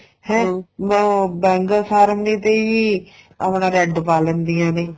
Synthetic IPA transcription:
hɛ̃ː | bɛ̃ːŋɡaːsaːɾmneːt̪eːiː | a̰pɽãːɾɛɖpaːlənd̪iːãːneː

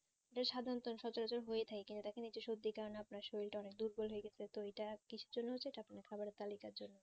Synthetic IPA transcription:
eʈaɾʃad̪ʱant̪onʃɔt͡ɕoɾat͡ɕoɾɦoet̪ʰakekint̪ut̪akenid͡ʑoʃod̪ːikaɾnapnaɾʃojlʈaɔnek̚d̪uɾbolɦoeɡɛt͡ɕʰet̪oejʈakit͡ɕʰuɾd͡ʑonːoot͡ɕːʰejʈaapnaeɾkʰabaɾeɾt̪alikaɾd͡ʑonːo

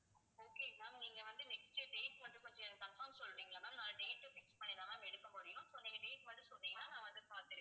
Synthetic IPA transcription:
oːkeːlaːniːŋɡɐʋɐnd̪ɯnɛksʈɯɖeːʈmɐnrɯkɔɲd͡ʒɔɛt̪ɐfɐ̃ːŋsɔlːɾiːŋɡɐlɐnːaːnaːlɖeːʈːɯfɪk̚spɐɳːɪlaːlãːmɛɽɯkːɐpʊɾɪjʊ̃sɔnːɪŋɡɐɖeːʈʋɐnd̪ɾɯsɔnːiːŋɡɐnaːnãːɐɐðɯpaːɾt̪ɪɾ

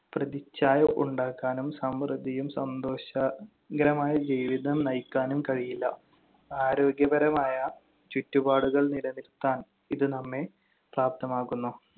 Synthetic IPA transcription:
prɐðit͡ɕːaːjɐʔuɳɖaːkːaːnumsɐmrɨd̪ijumsɐnd̪o̞ːɕɐ | ɡɐɾɐmaːjɐd͡ʑiːʋiðɐmnɐjkːaːnumkɐɻijilːɐ̰ | aːɾo̞ːɡjɐbɐɾɐmaːjɐ | t͡ɕutːubaːɽuɣɐɭnilɐnilt̪ːaːn | iðɨnɐmːe̞ | praːp̚t̪ʰɐmaːkːunːu

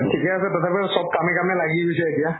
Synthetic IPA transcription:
tʰikɛasɛtɔtʰapɛsɔb̚kamɛkamɛlaɡiɦojsɛetija

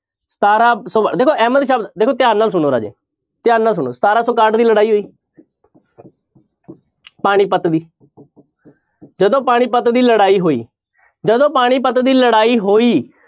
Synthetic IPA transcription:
sə̥t̪aːɾaːsod̪eːkʰoːʔɛːməd̪ʃaːb̪d̪eːkʰoːt̪ɪjaːnnaːls̬ʊñoːɾa̰ːd͡ʒḛː | t̪ɪjaːnnːaːls̬ʊnoːsə̥t̪aːɾaːsoːkaːʈd̪iːləɽaːiːɦoːiː | paːɽ̃iːpət̪d̪iː | d͡ʒəd̪õːpaːɽ̃iːpət̪d̪iːləɽaːiːɦoːḭː | d͡ʒəd̪õːpaːɽ̃iːpət̪d̪iːləɽaːiːɦoːiː

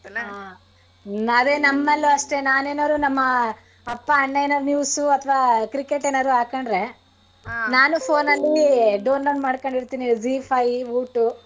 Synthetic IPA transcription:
a | nɐd̪enɐmːɐlːuɐʂʈe̞naːne̞ːnaːɾunɐmːɐ | ɐpːɐɐɳlɐjnɐɾnjuːsuɐt̪ʰɐʋaːkɾikːeʈeːnaːɾuɦaːkɐɳɖɾe̞ | naːnupʰoːnɐlːiɖoːnloːɖmaːɖkoɳɖiɾt̪iːnid͡ʒipʰɐjuːʈu

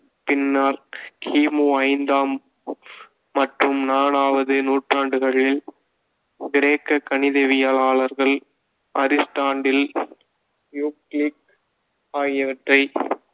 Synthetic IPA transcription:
pɪnːaːɾkʰiːmuːɐɪnd̪aːm | ɐʈrɯmnaːnaːʋɐðɯnuːʈraːɳɖɯɣɐɭɪl | ɡɪɾeːkːɐkːɐnɪðeʋɪjaːlaːɭɐɾɣɐɭ | ɐɾɪsʈaːɳɖɪl | njuːklik̚ | aːjjɐʋɐʈrɐɪ

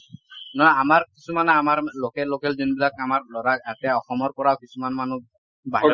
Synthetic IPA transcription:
nɔamaɹkisumanɛamaɹlokɛlokɛlzɔnbilakamaɹlɔɹakatɛɔxɔmɔɹpɔɹawkisumanmanu | ba

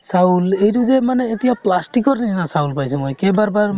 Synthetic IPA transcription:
saulejtuzemaneːt̪ijaplasʈikɔɾnisʰinasaulpajsɛmojkebaɾbaɾ

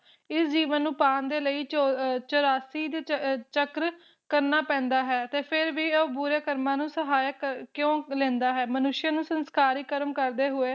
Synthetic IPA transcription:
ɪsd͡ʒiːʋənːũːpaːnd̪eːləiːt͡ʃoɾaːsiːd̪eːt͡ʃəkɾ | kəɾnaːpɛ̃ːnd̪aːɦɛːət̪eːpʰɪɾʋiːəbuːɾeːkəɾmãːnũːsəɦaːjəkkjõːlẽːnd̪aːɦɛːmənʊʃɪjãːnũːsənskaːɾiːkəɾəmkəɾd̪eːɦʊeː

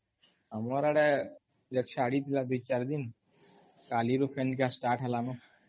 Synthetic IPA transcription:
amɔɾaɽɛ | d͡ʒɛkʃaɽit̪ilad̪ut͡ɕaɾd̪in | kaliɾofɛnɖɡasʈaʈɦɛlano

